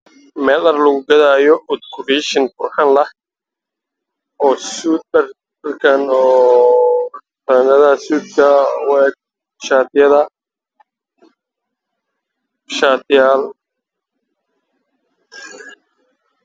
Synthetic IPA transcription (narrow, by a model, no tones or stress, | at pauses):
mɛːlɐrlɐɣʊɡɐðaːjɔʔʊd̪kʰʊriːʃɪnfʊrħɑnlɐh | ɔːsur | ɐrkʰɐnɔː | t̪ɐnɐðɐsuːd̪kʰɐwɛːɡ̚ | ʃaːt̪jɐðɐ | ʃaːt̪jaːl